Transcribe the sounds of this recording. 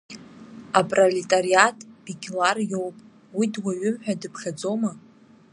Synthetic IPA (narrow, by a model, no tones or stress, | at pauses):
apʼroletʼariatʼb̥ikʲʼlarjo̞wpʼ | widwaɥʏmħᶣadɨpʰχʲad͡zoma